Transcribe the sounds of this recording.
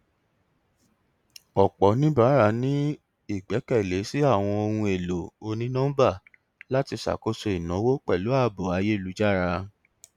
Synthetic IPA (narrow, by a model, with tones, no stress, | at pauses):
ɔ˨k͡pɔ˨˦nĩ˦ba˦ɾa˧nĩ˦ | i˦˨ɡ͡bɛ˨˦kɛ˦˨le˨˦si˦a˦˨w̃ɔ̃˧o˧hũ˧e˨lo˨o˧nĩ˦nã˦ba˦˨ | la˦ti˧sa̰˨ko˦so˧i˨nɔ̃˨˦wo˦k͡pɛ˦˨lo˨˦a˦˨bo˨a˨˧˦je˦˨lu˨˦d͡ʒa˦˨ɾa˧